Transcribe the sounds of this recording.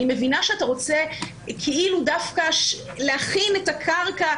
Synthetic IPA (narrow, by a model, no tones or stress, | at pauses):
imevinaʃeataʁo̞t͡se | kʰeʔiludafkaʃ | leaχinetakʰaʁka